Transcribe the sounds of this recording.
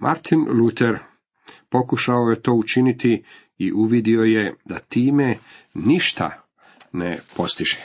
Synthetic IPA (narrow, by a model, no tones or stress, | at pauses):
mʔa̰ɾt̪ʰinlut̪ʰeɾ | po̞kuʃaoje̞t̪o̞ːut͡ʃinit̪i | iʔuʋid̪io̞je̞d̪at̪iːme̞niʃt̪ʰa̰ | nepo̞st̪iʒe̥